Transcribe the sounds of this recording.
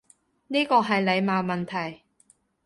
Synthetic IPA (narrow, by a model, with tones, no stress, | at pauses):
niː˥kɔː˧ɦɐ˨jle˨˧jmaː˨˧wmɐ˨nt̪ʰɐ˨˩j